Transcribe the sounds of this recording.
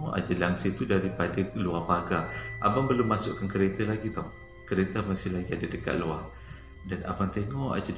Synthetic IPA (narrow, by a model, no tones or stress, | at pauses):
ɔʔa̰d͡ʒəlaŋsət̪udaɾipadaluahbaɡaʔabaŋbəlʊmːãsʊʔkankəɾet̪alaɡit̪ɔh | kəɾet̪amasɪhlaɡiadadəka̰ʔ̪̚luah | dana̰bant̪eŋɔʔa̰d͡ʒə